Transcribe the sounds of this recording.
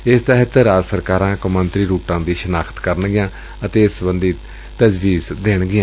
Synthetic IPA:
ɪst̪əɦət̪əɾaːd͡ʒsəɾkaːɾãːkəmənt̪ɾiːɾuːʈãːd̪iːʃənaːkʰt̪kəɾəɳɡɪjãː | ət̪eːɪsbənd̪iː | t̪əd͡ʒʋiːzd̪eːɳɡɪjãː

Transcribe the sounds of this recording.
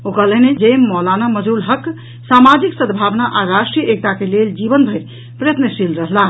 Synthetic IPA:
okəlened͡ʒemːɔlanaməd͡ʒulɦək | samad͡ʒiksəd̪bʱabnaʔaɾasʈɾijek̚t̪akeleld͡ʒibənbʱəɪɾ | pɾəjət̪nəsilɾəɦla

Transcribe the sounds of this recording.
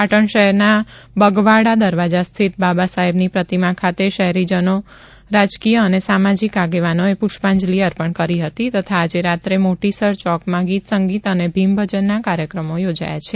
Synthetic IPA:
paʈəɳʃəɦɛɾnabəɡʋaɽad̪əɾʋad͡ʒast̪ʰit̪̚babasaɦibnipɾət̪imãkʰat̪eʃəɦɛɾid͡ʒəno | ɾad͡ʒkijəːnesamad͡ʒikaɡeʋanoepuʃpãɲd͡ʒliəɾpəɳkəɾiɦət̪it̪ət̪ʰaːd͡ʒeɾat̪ɾemoʈisəɾt͡ʃɔkmãɡit̪səŋɡit̪ənebʱimbʱəd͡ʒənːakaɾjəkɾəmojod͡ʒa̰ja̰t͡ʃʰe

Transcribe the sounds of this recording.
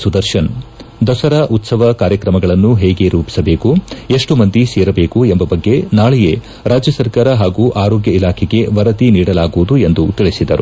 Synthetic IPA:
sud̪ɐɾʃɐnd̪ɐsɐɾɐʔut̪sɐʋɐkaːɾjɐkɾɐmɐɡɐɭɐnːuɦɛːɡe̞ɾuːpi̥sɐbe̞ːkueʂʈumɐnd̪iseːɾɐbe̞ːkuembɐbɐɡːe̞naːɭɛje | ɾaːd͡ʒjɐsɐɾkaːɾɐɦaːɡuːʔaːɾoːɡjɐilaːkʰɛɡe̞ʋɐɾɐt̪iniːɽɐlaːɡuʋud̪ue̞nd̪ut̪iɭisid̪ɐ̰ɾu

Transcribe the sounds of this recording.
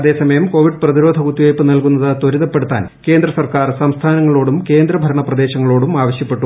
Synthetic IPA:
ɐðe̞ːsɐmɐjɐmko̞ːʋiɖɨprɐðiɾo̞ːd̪ʱɐɣut̪ːijojpːɨnɐlkunːɐðɨt̪oɾiðɐpːe̞ɽut̪ːa̰ːnke̞ːnd̪rɐsɐrkaːrsɐmst̪ʰaːnɐŋːɐɭo̞ːɽumke̞ːnd̪ɾɐbʱɐɾɐɳɐprɐd̪e̞ːɕɐŋːɐɭoːɽumaːʋɐɕjɐpːe̞ʈːu

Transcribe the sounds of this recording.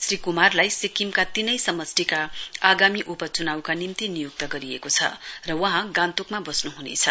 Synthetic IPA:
srikumarlajsikimkat̪inʌjsʌmʌsʈikaaɡamiʔupʌt͡sunawkanimt̪inijuk̚t̪ʌɡʌɾiekot͡sʰʌ̰rʌwʌ̃ɦãɡãnt̪ukmabʌsnuɦunḛt͡sʰʌ̰

